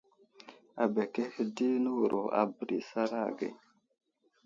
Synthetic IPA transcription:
a˨be˨ke˦hə˦di˦nu˦wɾʔo˨a̰˨bə˨ɾi˨sa˦ɾa̰˦˨ɡḛ˨

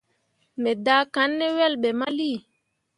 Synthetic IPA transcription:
mɛ˨daː˦ka˦nːɛ˦wɛ˦lɓɛ˨ma˦liː˦˨

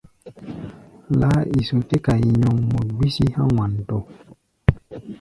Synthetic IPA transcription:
la˦i˨so˨te˦ka˨ji˨ɲɔ˨ŋmu˨dwi˦si˦hã˦wã˨nto˨

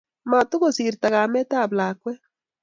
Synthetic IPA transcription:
ma˨tʊ˦ɣo˨si˨ɾta˨ɣa˨mɛ˦ta˦˨bla˨kwɛ˦

